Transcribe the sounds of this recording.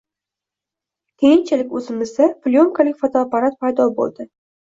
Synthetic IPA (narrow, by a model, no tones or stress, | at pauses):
kʲʰejɪnt͡ʃʰɪlɪkʲɵzɪmɪzɪplʲoŋkʰalɪkʲfot̪ʰoːpaɾat̪̚pʰajd̪ɒbo̰lˠd̪ɪ